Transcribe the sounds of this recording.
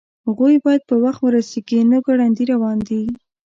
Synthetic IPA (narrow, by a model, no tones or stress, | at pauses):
haɣujbɑjad̪̚pəwaxt̪wəɾaseɡinəɡaɽand̪iɾawɑnd̪i